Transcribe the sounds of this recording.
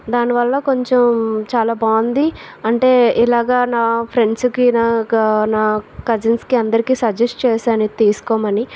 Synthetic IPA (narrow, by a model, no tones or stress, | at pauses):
d̪aːniʋɐlːɐko̞ɲt͡ʃemt͡ʃaːlaːbaːnd̪iɐɳʈe̞ːilaːɡaːnaːpʰɾe̞ɳɖskinaːnaːkɐd͡ʒinskiɐnd̪ɐɾikiːsɐd͡ʒesʈt͡ʃɛːsaːnit̪iːsu̥kɔːmɐni